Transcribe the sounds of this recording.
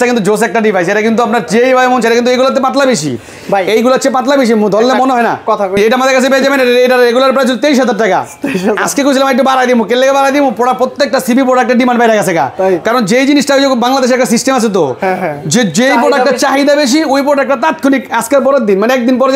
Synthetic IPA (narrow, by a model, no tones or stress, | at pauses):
ʈakint̪ud͡ʑos̬ɛk̚ʈaɖifajseʈakint̪uapnaɾd͡ʑejbʱabemont͡ɕʰaɾakint̪ejɡulat̪̬epãt̪labeʃḭ | bejɡulat͡ɕʰep̬ãt̪̬labeʃ̬imud̪ʱɔlːemoneɦɔena̰kɔt̪ʰaejʈaamad̪eɾkat͡ɕʰebed͡ʑabeneɾeejʈaɾɾeɡulaɾpɾajt͡ɕ̬ʰolt̪eɾiʃɦat̪aɾʈːaka̰ | ea̰skekoɾt͡ɕʰilamaek̚ʈːubaɾajd̪imũkelːekebaɾajd̪imopɔɽapɾot̪ːek̚ʈasibʱipɾɔɖak̚ʈeɾɖimanbajɾakat͡ɕʰeka̰kaɾond͡ʑejd͡ʑinisʈaked͡ʑebaŋlad̪eʃ̬ɾɛk̚ʈas̬isʈemat͡ɕʰet̪od͡ʑed͡ʑejpɾoɖakʈat͡ɕaɦid̪abeʃ̬iojp̬ɔɾʈaɛk̚ʈat̪at̪̚kʰonikaskeɾpɔɾeɾd̪inmaneɛk̚d̪inpɔɾe